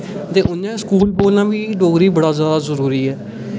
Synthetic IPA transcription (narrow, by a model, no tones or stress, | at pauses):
t̪eːʔʊnːãːskuːlboːlnãːʋiːɖoːɡɾiːbəɽaːzjaːd̪aːzəɾuːɾiːɛː